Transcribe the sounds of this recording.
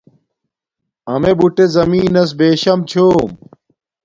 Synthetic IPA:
ɐmebuʈezɐmiːnɐs̬beːɕɐmt͡ɕʰoːm

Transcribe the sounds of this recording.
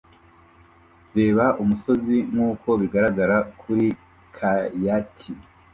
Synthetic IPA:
ɾe̞ːβaʔumuso̞ziŋŋuːko̞βiɡaɾaɡaɾakʰuɾi | kʰajatʰi

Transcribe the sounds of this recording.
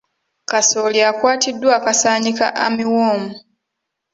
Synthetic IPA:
kasoliakwaːtidːwaːkasaːɲika̰ʔamiwoːmu

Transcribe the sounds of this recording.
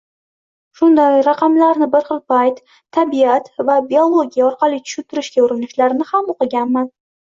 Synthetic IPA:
ʃʊnd̪ajɾɑqɑmlaɾnɪbɪɾχɨlˠpajt̪ʰː | abiat̪vabiolˠoɡʲijaɔɾqɑlˠijt̪ʰʊ̥ʃʊlt̪ɪɾɪʃkʲaʊɾɪnɪʃlaɾnɪhamoqɨɡʲanman

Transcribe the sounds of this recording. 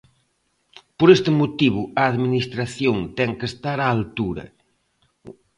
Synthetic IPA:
poɾest̪ɪmot̪iβʊɐaðminist̪ɾaθjoŋt̪ɛŋkest̪aɾaːlt̪uɾɐ̰

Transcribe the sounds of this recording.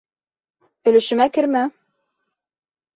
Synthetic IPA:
ɵ̆lɵ̆ʃɘ̆mækɘ̆ɾmæ

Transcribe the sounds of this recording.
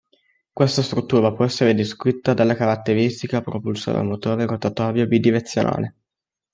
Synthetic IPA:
kwest̪ast̪ɾut̪ːuːɾapwɔɛsːeɾed̪iskɾit̪ːad̪alːakaɾat̪ːeɾist̪ikapɾopulsa̰d̪a̰mot̪oːɾerot̪at̪ɔːɾjobid̪ːiɾet̪sːjonʔa̰ːle

